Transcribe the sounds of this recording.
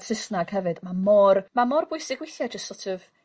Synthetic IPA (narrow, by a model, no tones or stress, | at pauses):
tʰr̥ɪsnaɡ̥hɛvɨd̥mamɔrmamɔrbʊɨsɪɡwɪθjad͡ʒəstsɔtʰɔv̥